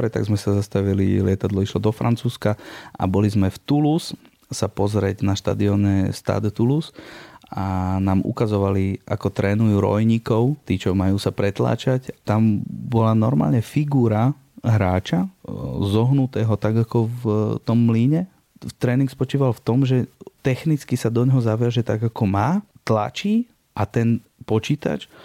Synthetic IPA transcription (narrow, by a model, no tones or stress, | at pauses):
ɾɛt̪a̰ɡzmɛsazast̪aʋilḭlɪɛt̪ad̪lɔiʃlɔd̪ɔfɾa̰nt͡suːskaʔa̰bɔlizmɛft̪ulusː | apɔzɾɛɟnaʃt̪a̰d̪iɔɲɛst̪a̰d̪t̪ulusanaːmʔṵkazɔʋalia̰kɔt̪ɾɛːnujuːɾɔ̰jɲikɔʊt̪iːt͡ʃɔmajuːsapɾɛt̪la̰ːt͡ʃacat̪ambɔlanɔɾma̰ːlɲɛfiɡuːɾa | ɦɾaːt͡ʃazɔɦnut̪ɛːɦɔt̪aɡakɔft̪ɔmːliɲɛ | t̪ɾɛːniŋkspɔt͡ʃiːʋalft̪ɔmʒɛt̪ɛxnit͡skisad̪ɔɲɦɔzaʋɪaʒɛt̪aɡakɔmaːt̪la̰t͡ʃiː | ʔat̪ɛn | pɔt͡ʃiːt̪a̰t͡ʃ